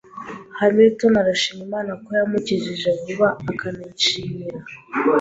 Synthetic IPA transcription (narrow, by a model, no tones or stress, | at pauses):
hamiɾitonaɾaʃimimaːnakojamuciʒiʒekuβaːkʰanit͡ʃiɲiɾa